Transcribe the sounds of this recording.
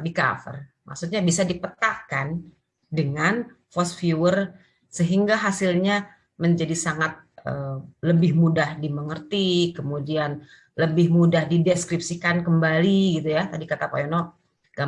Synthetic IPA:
bika̰fə̰r | mʔa̰ksut̪̚ɲabisadipət̪aʔkan | dəŋan | fɔsfiuwər | səɦiŋɡaɦasɪlɲa | məɲd͡ʒadisaŋat̪̚ələbɪhmudahdiməŋərt̪ikəmudian | ləbɪhmudahdideskɾip̚sikankəmbaliɡit̪ujat̪adikat̪apa̰jono | ɡa

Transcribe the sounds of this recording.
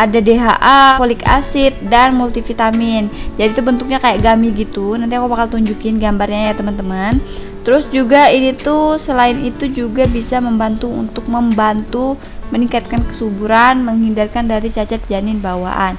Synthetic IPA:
ʔadadeɦa̰ʔapolɪka̰sɪt̪̚danmult̪ifit̪amɪnd͡ʒadit̪ubənt̪uk̚ɲakajaʔɡamiɡit̪unant̪̬iakupakalt̪uɲd͡ʒukɪnɡambarɲajat̪əmant̪əman | t̪əɾʊsd͡ʒuɡainit̪usəlaɪnit̪ud͡ʒuɡabisaməmbant̪uṵnt̪ʊk̚məmbant̪u | məniŋkat̪̚kankə̥subuɾanməŋɦindarkandaɾit͡ʃat͡ʃat̪̚d͡ʒanɪnbawa̰ʔan

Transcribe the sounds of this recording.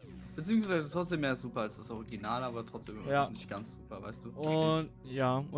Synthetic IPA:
b̥ət͡siːʊŋsv̥aɪzətʁ̥ɔt͡sd̥eːmeːɐzuːpɐalsd̥asoʁiɡinaːlaːbɐtʁ̥ɔt͡sd̥eːmjaːnɪçt̚ɡ̥ansz̥uːpɐvaɪstd̥uːʊn | jaːʊ

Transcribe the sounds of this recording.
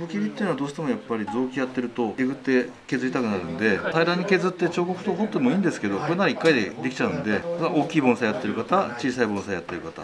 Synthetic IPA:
okʲiɾʲit̪ːe̞jɯ̟noad̪oːɕi̥t̪e̞mojapːaɾʲizo̞ːkʲijat̪ːe̞ɾɯ̟t̪o̞eɡɯ̟t̪ːe̞ | ke̞zɨɾit̪akɯ̟naɾɯ̟̰̃nd̪e̞t̪aid̪ãɲ̟ːike̞zɨt̪ːe̞t͡ɕo̞ːko̞kɯ̟t̪oːɦot̪ːmo̞ĩːnd̪e̞sɨ̥ke̞d̪o̞ko̞ɾe̞naɾaikːaid̪ed̪ekʲi̥t͡ɕaɯ̟nd̪e̞soʔo̞ːkʲiːbõ̞ñsajat̪ːe̞ɾɯ̟kat̪at͡ɕiːsaibõ̞ñsajat̪ːeɾɯ̟kat̪a̰

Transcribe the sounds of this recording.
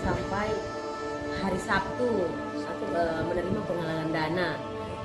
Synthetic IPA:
sampaj | haɾisap̚t̪u | at̪uəmənəɾimapəŋalaŋandana

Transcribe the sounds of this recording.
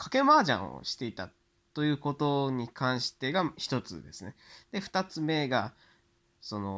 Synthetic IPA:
kʰake̞maːd͡ʑã̰ɰ̃o̰ɕi̥t̪e̞it̪a̰ | t̪o̞jɯ̟ːko̞t̪o̞ɲ̟ikãɰ̃ɕi̥t̪e̞ɡaçi̥t̪o̞t͡sɨ̰d̪e̞̰sɨned̪̥e̞ɸɯ̟̥t̪at͡sɨme̞ːɡa | so̞no̞̰

